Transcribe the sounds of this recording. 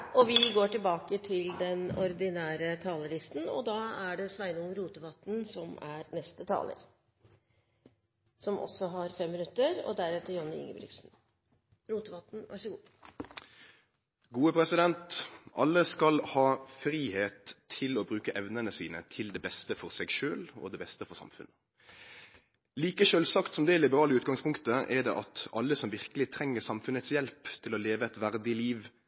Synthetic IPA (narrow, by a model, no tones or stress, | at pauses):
ɔʋɪɡoːʈɪlbɑːkət̪ʰɪld̪ɛnɔɾd̪ɪnæːɾət̪ʰɑːləlɪst̪nɔ̰d̪ɑːæɖɛsʋæɪnʊŋɾuːt̪əʋɑt̪nsɔmæɾnɛst̪ət̪ʰɑ̰ːlə̰ɾ | sɔmʔɔ̰sːɔɦɑɾfɛmːɪnʉt̪ːəɾɔ̰d̪æɾɛt̪ːəjɔnːəɪ̰ŋːə̰bɾɪ̰ɡʂn̩ | ɾuːt̪əʋɑt̪n̩ʋʔɑ̰ʂəɡuː | ɡuːəpʰɾɛsɪd̪ɛnt̪ʔɑ̰lːəskɑlhɑːfɾiːheːt̪ʰːɪlɔbɾʉːkəʔɛʋnənəsḭːnə̰t̪ʰɪld̪ɛbɛst̪əfɔɾsɛɡʃøːlɔ̰d̪ɛbɛst̪əfɔɾsɑ̰mfʉ̰nːə | liːkəʃøːlsɑkt̪sɔmd̪ɛɛlɪbəɾɑːləʉːt̪̚ɡɑŋspʰʊŋkt̪əʔɛɖɛ̰ʔɑt̪ɑlːəsɔmʋɪɾkəlɪt̪ʰɾɛŋːəsɑmfʉnət̪sjɛlpt̪ʰɪlɔleːʋəɛt̪ʋæɾd̪ɪliːʋ